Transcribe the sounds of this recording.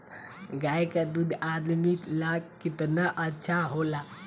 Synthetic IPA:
ɡajkad̪ud̪ʱad̪mit̪lakit̪naʔətːʃʰaɦola

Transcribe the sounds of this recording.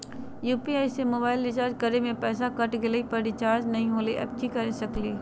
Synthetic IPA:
juːpiaːisemoːbaːɪlɾɪt͡ʃaːɾd͡ʒkɐɾemẽpɛːsakɐʈɡɪləipɐɾɪt͡ʃaːɾd͡ʒnɐɦĩɦoːleʔə̰b̚kikɐɾesɐkleː

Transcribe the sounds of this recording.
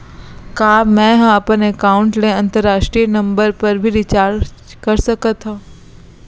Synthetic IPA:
kaːmɛ̃ɦɐ̃ɐpənekaːʊ̃ɳʈneɐ̃nt̪əɾːaːʃʈɾijənɐ̃mbəɾpɐɾbʱiɾɪt͡ʃaːɾ | kɐɾsɐkət̪ɦãː

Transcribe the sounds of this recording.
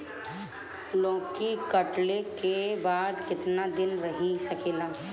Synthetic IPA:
lõːkikɐʈlekebaːd̪kɪt̪nad̪ɪnɾɐɦisɐkeːlaː

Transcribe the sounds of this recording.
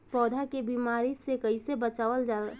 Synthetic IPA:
pɔːd̪ʱakebiːmaːɾisekəisebət͡ʃaːʋəld͡ʒaː

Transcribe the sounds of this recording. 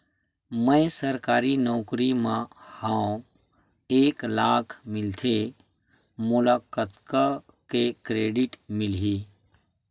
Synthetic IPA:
mə̃ẽsəɾkaːɾinɔːkɾimãhaõ | eːklaːkʰmɪlt̪ʰe | mʊlakət̪ka | kekɾeːɖɪʈmɪlɦiː

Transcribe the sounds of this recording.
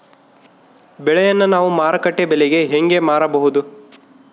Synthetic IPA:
bɛɭɛjɐnːɐnaːʋumaːɾɐkɐʈːebeleɡe̞ɦeŋɡe̞maːɾɐbɐɦud̪u

